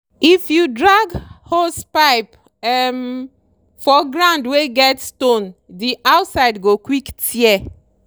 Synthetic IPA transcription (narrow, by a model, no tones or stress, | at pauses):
ifjudɹaɡhospaɪp | ɛm | fɔɡɹãndweɡɛtstõndiʔaʊtsaɪdɡokwiktʰiɛ